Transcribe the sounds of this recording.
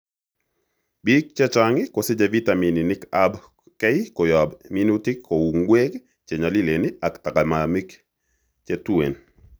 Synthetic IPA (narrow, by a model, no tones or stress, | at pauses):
bik̚t͡ʃɛt͡ʃaŋɪkosɪd͡ʒavitamininɪkab | kɛikɔjɔbminutikʰːouŋɡweɡ | t͡ʃɛɲalileniaktakamamik | t͡ʃɛtwḛn